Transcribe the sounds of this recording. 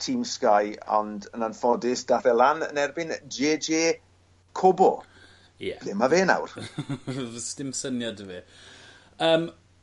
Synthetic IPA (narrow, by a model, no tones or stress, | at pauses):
tʰiːmskajɔ̰ndənanfɔdɪsd̥aθɛlˠanə̰nɛrbɪnd͡ʒeːd͡ʒeː | kʰobɔ̰ | jɛb̥lɪmaveːna̰wr | stɪmsənjadəvi | əːm